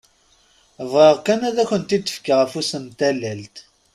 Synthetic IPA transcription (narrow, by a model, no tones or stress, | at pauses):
əvʁəʁkænæðæçənt̪id̪ə̥fkəʁəfusəmt̪ælːælt̪